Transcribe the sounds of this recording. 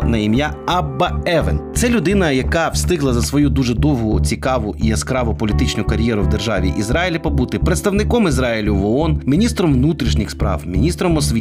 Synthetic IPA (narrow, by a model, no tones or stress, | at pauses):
nɐimjaɐbːɐɛʋent̪sɛlʲʊd̪ɪnɐjɐkɑwst̪ɪɦlˠɐzɐsʋɔjud̪uʒɛd̪ɔwɦʊt͡sʲikɑʋʊʔiɐskɾɑʋɔpɔlʲit̪ɪt͡ʃnʊkɐɾʲjɛɾʊwd̪erʒɑʋʲḭʔizɾɑjilʲipɔbut̪ɪpɾet̪st̪ɐwnɪkɔmizɾɑjilʲʊʋɔɔnmʲinʲist̪ɾɔmʋnut̪ɾʲiʃnʲixspɾɑ̰wmʲḭnʲist̪ɾɔmɔsʋʲi